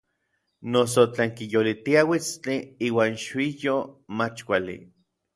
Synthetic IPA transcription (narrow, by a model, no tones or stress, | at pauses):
nos̬ot͡ɬeːŋkijolit̪iawit͡st͡ɬiiːwaːnʃwijomat͡ʃkʷalḭ